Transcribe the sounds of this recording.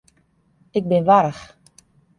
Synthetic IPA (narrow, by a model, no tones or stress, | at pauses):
ɪk̚bɪnʋaɾəx